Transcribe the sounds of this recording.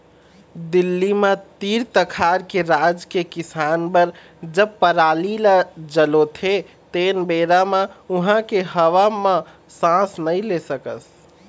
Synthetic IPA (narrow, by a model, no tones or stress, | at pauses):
d̪ilːimẽt̪iɾt̪əkʰaɾkeɾad͡ʒkekisanbəɾ | d͡ʒəb̚pəɾalilad͡ʒəlot̪ʰe | t̪enbeɾamauɦãkeɦəʋamã | sãsnəjlesəkə̰s